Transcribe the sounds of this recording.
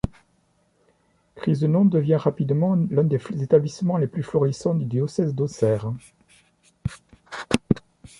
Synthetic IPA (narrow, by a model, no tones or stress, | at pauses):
kχizd̪ənɔ̃d̪əvjɛ̃ʁapid̪mɑ̃lɛ̃d̪ezet̪ablismɑ̃leplyflɔʁisɑ̃d̪yd̪jɔsɛzd̪osɛʁ